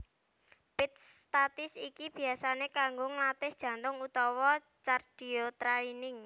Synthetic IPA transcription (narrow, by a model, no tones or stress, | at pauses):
pɪt̪̚st̪at̪ɪsikib̥i̤asanekaŋɡʊŋlat̪ɪsd̥ʒ̥ä̤nt̪ʊŋut̪ɔwɔ | t͡ʃard̥i̤ot̪ɾainɪŋ